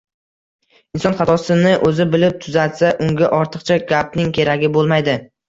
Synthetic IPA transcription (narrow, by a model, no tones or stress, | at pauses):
ɪnsɒnχɑt̪ʰɒsɪnɪʔɵzɪbɪlɪp̚t̪ʰʊzat̪saʔʊŋɡʲaʔɒɾt̪ʰɨqt͡ʃʰaɡʲapnɪŋkʲʰe̞ɾaɡʲɪbolˠmajd̪ɪ